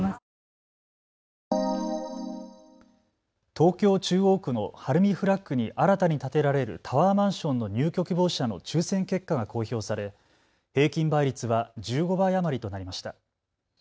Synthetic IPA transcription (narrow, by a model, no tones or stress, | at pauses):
t̪o̞ːkʲo̞ːt͡ɕɨːo̞ːkɯ̟no̞haɾɯ̟mʲiɸɯ̟ɾakːɯ̟ɲ̟iʔaɾat̪aɲ̟it̪at̪e̞ɾaɾe̞ɾɯ̟̰t̪ʰaβaːmãɰ̃ɕõ̞nːo̞ɲ̟ɨːkʲo̞kɯbo̞ːɕano̞̰t͡ɕɨːsẽ̞ŋke̞kːaɡakʰo̞ːço̞ːsaɾe̞ | he̞ːkʲĩmbaiɾʲit͡sɨβad͡ʑɨːɡo̞baiamaɾʲit̪o̞naɾʲimaɕi̥t̪a